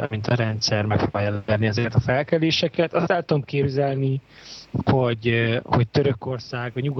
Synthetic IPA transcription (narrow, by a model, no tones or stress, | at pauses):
ɒ̰mint̪ʰɒɾɛnt̪sɛrmɛkfobɒlɛlɛlniɛzɛkɛt̪ɒfɛlkɛleːʃɛkɛt̪ɒst̪ɛlt̪ud̪omkeːbzɛlni | ho̞ɟho̞c̚t̪øɾøko̞rsaːɡɟɲuɡ